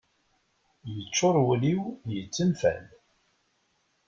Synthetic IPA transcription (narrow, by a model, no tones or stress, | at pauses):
jət͡ʃːʊɾˤwliwjət͡sːənfæ̰n